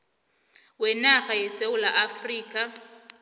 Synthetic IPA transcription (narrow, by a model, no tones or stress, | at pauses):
wɛnaɣajɛsewulaʔafriːkʼa